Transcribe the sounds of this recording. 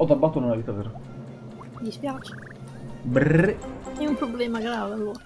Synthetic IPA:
ɔd̪abːat̪ːonunaviːt̪aveːɾa | d̪ispjaːt͡ʃe̥ | breɛumpɾoblɛːmaɡɾaːvealːoːɾa

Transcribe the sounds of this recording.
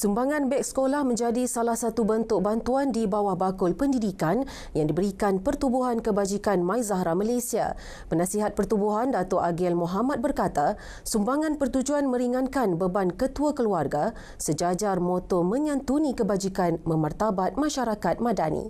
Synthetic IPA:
sumbaŋãnbɛk̚skolahmə̃ɲd͡ʒadisalahsat̪ubənt̪ʊk̚bant̪uandibawahbakʊlpəndidikan | jaŋdibəɾikanpərt̪ubuɦankəbad͡ʒikanmãjzaɦɾamalajsia̰ | pənãsiɦat̪̚pərt̪ubuɦandat̪ɔʔaɡɛlmoɦamat̪̚bərkat̪a | sumbaŋãnpərt̪ud͡ʒuanmə̃ɾiŋankanbəbankət̪uakəluarɡa | səd͡ʒad͡ʒarmɔ̃t̪ɔmə̃ɲãnt̪unĩkəbad͡ʒikanmə̃mərt̪abat̪̚mãʃaɾakat̪̚mãdanḭ

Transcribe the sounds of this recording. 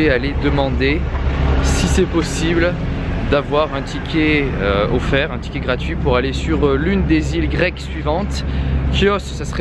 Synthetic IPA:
ealed̪əmɑ̃d̪e | sisɛpɔsibld̪avwaʁɛ̃t̪ʰikʲʰeøɔfɛʁɛ̃t̪i̥kʲeɡʁat̪ɥipuʁalesyʁlynd̪ezilɡʁɛksɥivɑ̃t̪kjɔssasəʁɛ

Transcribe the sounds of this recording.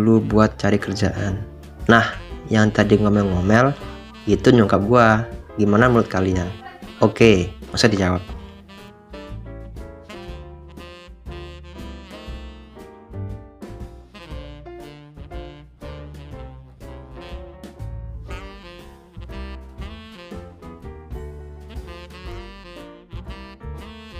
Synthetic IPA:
lubuat̪̚t͡ʃaɾikərd͡ʒaʔanː | ahjaŋt̪adiŋomɛlŋomɛl | it̪uɲuŋkap̚ɡuaɡimanamulʊt̪̚kalianokemasudid͡ʒawap̚

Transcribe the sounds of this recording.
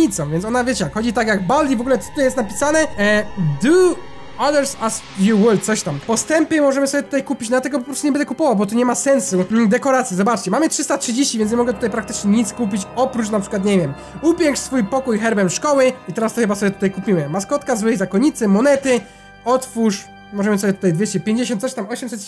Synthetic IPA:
it̪sɔ̃w̃vʲjɛntsɔnavjet͡ɕɛjakxɔd͡ʑit̪akjaɡ̚balːʲivɔɡulɛt̪ut̪ɔjɛst̪napʲisanɛ | d̪u | aðɛɾsaz | juwɪlt̪sɔɕt̪ampɔst̪ɛmpʲɨmɔʐɛmɘsɔbʲjɛt̪ut̪ajkupʲit͡ɕd̪lat̪ɛɡɔbp̬ɔpɾɔst̪uɲɛbɛnd̪ɛkupɔvawbɔt̪uɲɛmasɛnsud̪ɛkɔɾat̪sʲjizɔbat͡ʂt͡ɕɛmamɘtʂɘst̪atʂɘd͡ʑeɕt͡ɕivʲjɛnɲɛmɔɡɛt̪ut̪ajpɾak̚t̪ɘ̥t͡ʂɲɛɲit̪skupʲit͡ɕɔpɾut͡ɕnapʂɘ̥kwat̪ɲɛvʲjɛm | upʲjɛŋkʂsfujpɔkujxɛɾbɛmʂkɔwɘit̪ɛɾast̪ɔxɘbasɔbjɛt̪u̥t̪ajkupʲimɘmaskɔt̪kazwɘjzakɔɲit̪sɛmɔnɛt̪ɘ | ɔt̪fuʂ | mɔʐɛmɘsɔbʲjɛt̪ut̪ajvʲjet͡ɕɛpʲjeɲd͡ʑeɕ̬ɔnt̪sɔɕt̪amɔɕɛmsɛt̪

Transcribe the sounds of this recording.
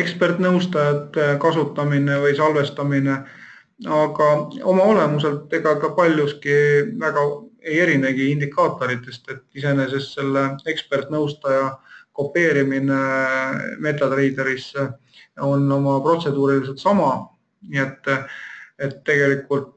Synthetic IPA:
ekspe̞rt̪nɤwst̪ɑjɑt̪kɑsut̪ːˑɑmine̞vɤjsɑlve̞st̪ɑmine | ɑɡ̥ɑo̞̰mɑo̞le̞muse̞lt̪ːˑeɡ̥ɑkɑpɑlʲjuskivæɡ̥ɑe̞je̞ɾineɡ̥iind̪ikːˑɑːt̪ːˑo̞ɾit̪ːˑe̞st̪e̞t̪ːise̞nes̬esːe̞lːee̞kspe̞rt̪ˑnɤwst̪ɑjɑko̞pːe̞ːɾimine | me̞ːt̪ːˑɑd̪̥re̞jd̪e̞ɾisːe | o̞nːo̞mɑpro̞t̪se̞d̪̥uːɾilis̬et̪sɑmɑ | niet̪ˑː | e̞t̪ːe̞ɡ̥e̞likːˑult̪

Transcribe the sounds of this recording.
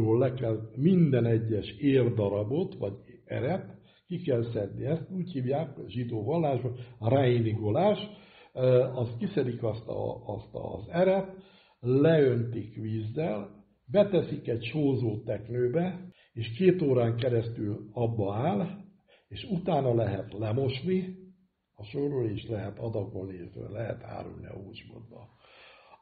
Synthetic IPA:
oːllɛkɛlmind̪ɛnɛɟːɛʃeːrd̪ɒɾɒbo̞t̪ʋɒɟɛ̰ɾɛt̪ | kikɛlsɛd̪niɛst̪uːchiːvjaːkʒid̪oːvɒlːaːʒbɒɾaːiniɡo̞laːʃ | ɒst̪kisɛɾikɒst̪ɒ̰ːst̪ɒ̰zɛɾɛt̪ | lɛønt̪ikʋiːzːɛl | bɛt̪ɛsikɛɟʃoːzoːt̪ɛknøːbɛ | eːʃkeːt̪oːɾaːŋkɛɾɛst̪ylɒbːɒaːl | eːʃut̪aːnɒlɛɦɛt̪lɛmo̞ʃni | ɒʃoroliʃlɛɦɛt̪ɒd̪ɒko̞lniet̪ø̰lɛɦɛ̰t̪ha̰ːɾṵlnḭɒ̰uːt͡ʃbo̰d̪bɒ̰

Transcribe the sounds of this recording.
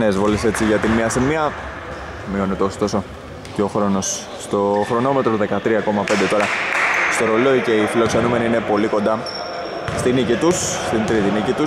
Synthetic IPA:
nezvo̞lese̞t͡siʝɐt̪inmiɐsimiɐ | mio̞net̪eost̪o̞so̞ | ceo̞xɾo̞no̞s | st̪o̞xɾo̞no̞me̞t̪ɾoðe̞kɐt̪ɾiɐko̞mɐpend̪e̞t̪o̞ɾɐst̪o̞ɾo̞lo̞ice̞ifilo̞kse̞nume̞niine̞po̞liko̞nd̪ɐ | st̪inicit̪usst̪ind̪ɾit̪inicit̪us

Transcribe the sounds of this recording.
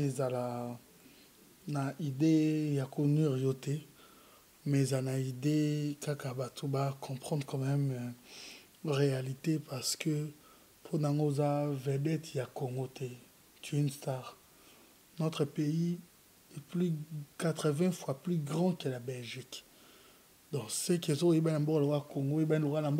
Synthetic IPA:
ezala | naidejakoniʁjotɛ | mɛezalnaidekakabatʰobakʰɔ̃pχɑ̃d̪ʁkɑ̃mɛm | ʁealitepaʁsə̥kə | pʰonaaŋɡoezavɛdɛtjakoŋɡote | tinstaʁ | not̪χəpei | ɛplykat̪χəvɛ̃fwaplyɡʁɑ̃kɛlabɛlʒik | dɔ̃sekezokojebaãmbɔklokakoŋɡoebalokalambo

